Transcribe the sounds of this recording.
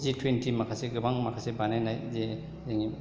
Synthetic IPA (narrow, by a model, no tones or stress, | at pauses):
zitʰwentimakʰaseɡɯbaŋmakʰasebanajnajze | zeŋi